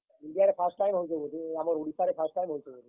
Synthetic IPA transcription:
iɳɖijaɾepʰaɾsʈʈajmɦojt͡ʃʰebod̪iamoɾoɽisaɾepʰaɾsʈajmɦojt͡ʃʰebod̪i

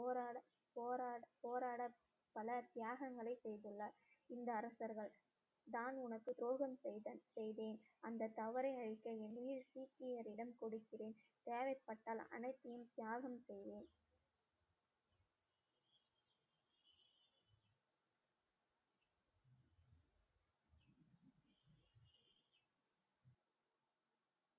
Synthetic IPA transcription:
ɾ | poːɾapoːɾaːɽɐ | pːɐlɐt̪ɪjaːɣɐŋɡɐɭɐɪsɛjðɯɭːɐ | ɪnd̪ɐːɾɐsɐɾɣɐɭ | d̪aːnʊnɐkːɯɪɾoːɣɐmɐsɛjðeːn | ɐnd̪ɐt̪ːɐʋɐɾɐɪɐɻɪkːɐɛnːiːɾsiːkɪjɐɾɪɽɐmkɔɽɯkːɪreːnt̪eːʋɐɪpːɐʈːaːlɐ̰nɐɪt̪ːɪjɯmt̪jaːɣɐmsɛjðeːn

